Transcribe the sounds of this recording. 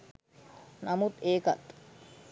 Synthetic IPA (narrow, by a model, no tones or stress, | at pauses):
nɐmut̪eːkɐ̰t̪